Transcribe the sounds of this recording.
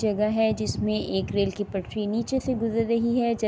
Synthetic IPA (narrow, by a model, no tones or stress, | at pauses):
d͡ʒɐɡaɦɛd͡ʒɪsmẽʔeːkɾeːlkipɐʈʈɾiniːt͡ʃeseɡʊzəɾːɐɦiɦɛd͡ʒɐ